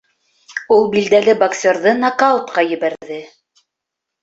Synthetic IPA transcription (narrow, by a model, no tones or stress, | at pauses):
ulˠbild̪ælɘbɐksʲoɾðɤnakɑut̪qɑjɘ̆βæɾðɘ